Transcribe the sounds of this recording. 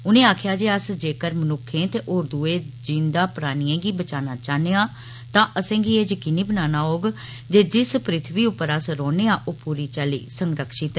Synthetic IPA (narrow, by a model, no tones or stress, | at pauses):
ʊnẽːaːkʰjaːd͡ʒeːəsd͡ʒeːkəɾmənʊkʰːẽːt̪eːʔoːɾd̪uːeːd͡ʒĩnd̪aːpʊɾaːniːɛ̃ːɡiːbət͡ʃaːnaːt͡ʃaːneːãː | t̪ãːʔəsẽːɡieːd͡ʒkɪniːbənaːnaːɦoːɡ | d͡ʒeːd͡ʒɪspɾɪt̪ʰʋiːʊpːəɾəsɾɔːneːãːʔoːpuːɾiːt͡ʃəlḭːsəŋɾəkʃɪt̪ɛ